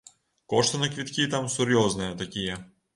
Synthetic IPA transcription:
koʂt̪ɐnɐkvʲit̪kʲit̪amsɨɾʲjoznɨjɐt̪ɐkʲijɛ

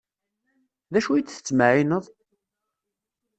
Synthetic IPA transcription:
ðæʃujt͡s̪ːθə̥t͡sːmaʕinəðˤ

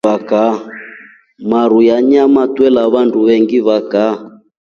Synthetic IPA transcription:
aka | maɾujaɲamatwɛlaβanduβɛŋɡiβaka

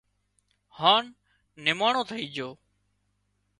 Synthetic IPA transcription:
haːnː | ɪmaːɳõːt̪ʰəiːd͡ʒʱoː

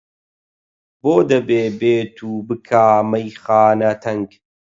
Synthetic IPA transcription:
boːd̪ɐbeːbeːt̪ʰuːbɨkʰaːmɐjxaːnɐt̪ʰɐŋɡ

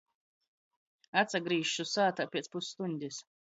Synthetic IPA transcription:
at̪saɡɾiːʃʃusaːt̪apʲiɛspusːt̪unʲd̪ʲis

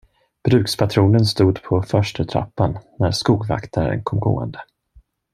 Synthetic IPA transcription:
b̥ɾʉ̟ːkspʰat̪ʰɾuːnənst̪uːd̪pʰɔfœʂʈət̪ʰɾa̰pːanːæɾskuːɡva̰kt̪ʰaɾə̰nkʰɔmɡo̰ːə̰nd̪ə

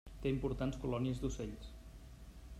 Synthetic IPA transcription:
t̪eimpuɾt̪anskulɔniəzd̪useʎs

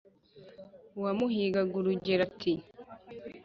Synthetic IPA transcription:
wamuhiːɡaɡuɾuɟeɾatʰi

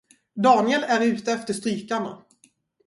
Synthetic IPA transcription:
d̪ɑːnɪɛlæɾʉ̟ːt̪əɛft̪əʂt̪ɾyːkaɳa̰

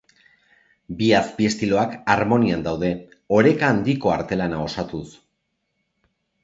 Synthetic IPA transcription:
biasbie̞st̪ilo̞akaɾmo̞niand̪awðe̞ | o̞ɾe̞kaːnd̪iko̞aɾt̪e̞lanao̞sat̪us

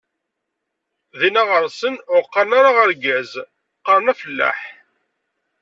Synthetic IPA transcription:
ðinaʁəɾsənʊɾqːɑɾnaɾaʁəɾɡæz | qːəɾnæfəlːæ̰ħ

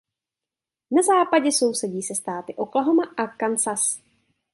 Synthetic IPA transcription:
nazaːpaɟɛso̞wsɛɟiːsɛst̪aːt̪ɪʔoklaɦomaʔakansas

